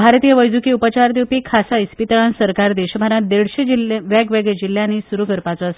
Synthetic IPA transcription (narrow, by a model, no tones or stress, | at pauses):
bʱaɾt̪ijəʋəjd͡zukiupət͡ɕaɾd̪epikʰasaispit̪ɭansəɾkaɾd̪eɕəbʱaɾãd̪eɽɕed͡ʑilʋaɡʋeɡɭed͡ʑil̤ːjanːisuɾukəɾpat͡sɔəs